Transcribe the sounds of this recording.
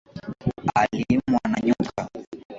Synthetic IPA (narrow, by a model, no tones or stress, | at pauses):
alimuanaɲuka